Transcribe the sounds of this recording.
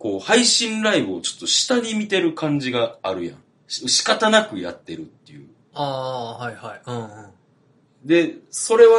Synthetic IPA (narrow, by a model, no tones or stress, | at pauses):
ko̞ːhaiɕĩnɾaibɯ̟ot͡ɕo̞̥t̪ːo̞ɕi̥t̪aɲ̟imʲit̪e̞ɾɯ̟kãɲ̟d͡ʑiɡaːɾɯ̟jã̰ | ɕɕi̥kat̪anakɯ̟ja̰t̪ːe̞ɾɯ̟t̪ːejɯ̟ | aːhaihaĩ | d̪e̞so̞ɾe̞βa